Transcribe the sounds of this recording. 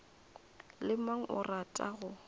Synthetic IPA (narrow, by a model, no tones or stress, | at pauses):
lɪmaŋ̩ʔʊratʼa̰ɣʊ